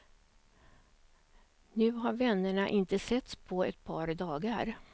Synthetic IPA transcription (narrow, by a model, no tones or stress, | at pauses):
nʉ̟ːɦaɾvɛnːəɳaʔɪnt̪əsɛt̪spʰɔɛt̪̚pʰɑːɾd̪ɑːɡaɾ